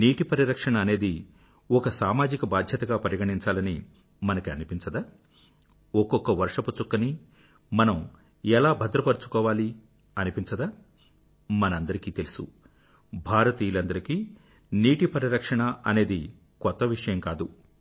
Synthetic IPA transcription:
niːʈipɐɾiɾɐkʂɐɳɐːne̞ːd̪i | ɔkɐsaːmaːd͡ʒikɐbaːd̪ʱjɐt̪ɐɡaːpɐɾjɐɡɐɳiɲt͡ʃaːlɐni | mɐnɐkiɐnipint͡ʃɐd̪aː | ɔkɔkːɐʋɐɾʂɐput͡ʃukːɐni | mɐnɐm | ɛlaːbʱɐd̪ɾɐpɐɾut͡ʃu̥kɔːʋaːli | ɐnipint͡ʃɐd̪aː | mɐnɐɐnd̪ɐɾikiːt̪elisṵ | bʱaːɾɐt̪iːulɐnd̪ɐɾikiː | niːʈipɐɾiɾɐkʂɐɳɐɐne̞ːd̪i | kɔt̪ːɐʋiʂɐjɐmkaːd̪u

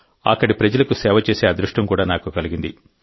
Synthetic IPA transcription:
ɐ̰kːɐɽipɾɐd͡ʒɐlɐkusɛːʋɐt͡ʃeːseːaːd̪ɾuʂʈɐmkuːɽaːnaːkukɐliɡind̪i

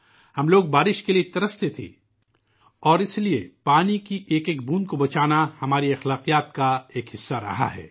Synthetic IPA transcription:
hɐmloːɡ̚baːɾɪʃkeliet̪ɐɾəst̪et̪ʰḭː | ɔːɾɪsliepaːnikiʔeːkeːk̚bũːnkobɐt͡ʃaːnahɐmaːɾiɐxlaːqijaːt̪̚kaeːkɦɪsːaɾɐ̰ɦa̰ɦɛ̰ː

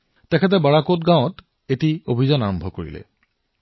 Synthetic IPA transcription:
tɛkʰɛt̬ɛbaɹakotɡãwɔ̃t | etiobʱizɔnaɹɔmbʱɔkoɹḭlɛ̰

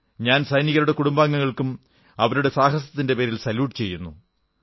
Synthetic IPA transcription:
ɲaːnsɐjniɣɐɾuɽe̞kuɽumbaːŋːɐŋːɐɭkum | ɐʋɐɾuɽe̞saːɦɐs̬ɐt̪ːinde̞pe̞ːɾilsɐljuːʈːɨt͡ɕe̞jːunːṵ

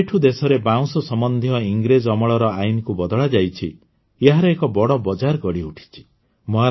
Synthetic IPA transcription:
eʈʰud̪esɔɾebaw̃sɔsɔmɔnd̪ʱjɔiŋɡɾed͡ʒɔmɔɭɔɾɔajnikubɔd̪ɔɭad͡ʒajt͡ʃʰḭ | eɦaɾeːkɔbɔɽɔbɔd͡ʒaɾkɔɽiuʈʰi̥t͡ʃʰi̥ | mɔɦa

